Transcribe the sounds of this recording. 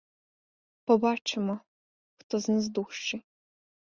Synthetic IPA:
pɔbat͡ʃɪmɔ | xt̪ɔznɛzd̪uʃt͡ʃɪ

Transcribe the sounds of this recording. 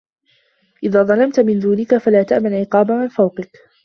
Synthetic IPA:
ʔɪðaːðˤɑlɑmt̪mɪnd̪uːnɪkafalaːt̪aʔmanʕɪqɑːbaʕanfawqɪk

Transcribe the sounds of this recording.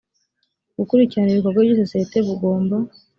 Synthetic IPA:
ɡ̥ukuɾiciɾaniβiko̞ɾɡwaβjis̬o̞siete̞βuɡo̞ːmba

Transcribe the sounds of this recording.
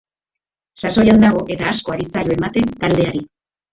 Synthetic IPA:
saso̞jand̪aɣ̞o̞ʔe̞t̪aːsko̞aɾisajoe̞mat̪e̞nt̪ald̪e̞aɾi

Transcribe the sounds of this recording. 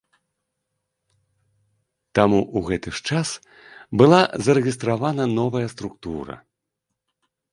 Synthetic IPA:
t̪amuʔuɣɛt̪ɨʂt͡ʂas | bɨlˠazɐɾɛɣʲist̪ɾavanɐnɔvɐjɐst̪ɾukt̪uɾɐ̰

